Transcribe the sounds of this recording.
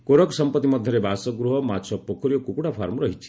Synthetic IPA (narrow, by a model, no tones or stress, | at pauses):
koɾɔksʌmpʌt̪ːimɔd̪ʱjʌɾebasɔɡɾuɦɔmat͡ʃʰɔpokʰɔɾijokukuɽapʰaɾmɾʌɦit͡ʃʰi̥